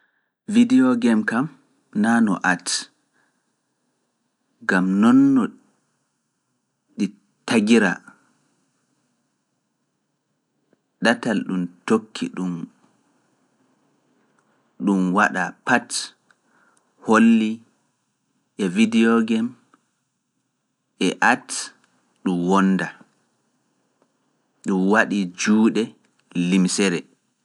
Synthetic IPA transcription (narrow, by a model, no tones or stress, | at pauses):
vidiɔɡɛmkam | nanɔ̰ʔat | ɡamnɔnːɔ | ɗi | taɡiɾa̰ | ɗatalɗumtokʰːḭɗum | ɗumwaɗapat | holːi | ʔɛvidiɔɡɛm | ʔɛʔat | ɗumwɔnːda | ɗumwaɗid͡ʒuːɗɛ | limsɛɾɛ